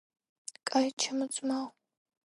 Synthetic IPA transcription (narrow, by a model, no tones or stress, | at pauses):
kʼajt͡ʃʰɐmɨt͡sʼmaw